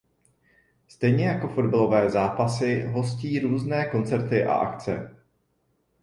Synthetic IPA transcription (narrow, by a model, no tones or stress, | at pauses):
st̪ɛjɲɛjako̞fo̞dbalo̞vɛːzaːpasɪɦo̞sciːɾuːznɛːko̞nt͡sɛɾt̪ɪʔa̰ʔa̰kt͡sɛ̰